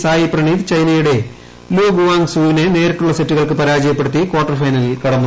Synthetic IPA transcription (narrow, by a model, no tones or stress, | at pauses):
saːjiprɐɳiːd̪t͡ɕɐjnɐjuɽe̞ | loːɡuʋaːŋsuːʋinene̞ːɾiʈːuɭːɐsetːuɣɐɭkɨpɐɾaːd͡ʑɐjɐp̬ːe̞ɽut̪ːikwoːʈːɐrfɐjnɐlilkɐɽɐmːu